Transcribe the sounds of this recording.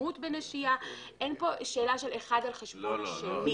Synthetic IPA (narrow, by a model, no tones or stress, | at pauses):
ut̪beneʃia | ʔe̞npo̞ʃeːlaʃe̞leχad̪alχeʃbonʃelmi